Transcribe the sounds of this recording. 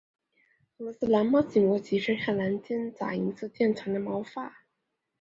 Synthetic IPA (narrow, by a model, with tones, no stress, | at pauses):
ɤ˧˥lɔ˧sɹ̩˥˩la˧˥nmɑ˥˩t͡ɕi˨˩mɔ˧˥t͡ɕi˧˥ʂə˥xa˥˩la˧˥nt͡ɕjɛ˥nt͡sa̰˨˩i˧˥t͡sʰɹ̩˥˧t͡ɕjɛ˥˩nʈ͡ʂʰɤ˧˥ŋd̪ə˧mɑ˧˥ʊfa˥˩